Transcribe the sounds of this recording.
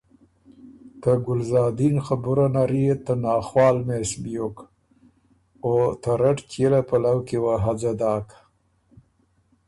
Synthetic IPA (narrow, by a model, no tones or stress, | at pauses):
t̪əɡʊlzɑːd̪inxabʊɾanaɾit̪anɑːxwɑːlmesbijok | ot̪ʰaɾaʈt͡ʃelapalawkewaɦad͡zad̪ɑːk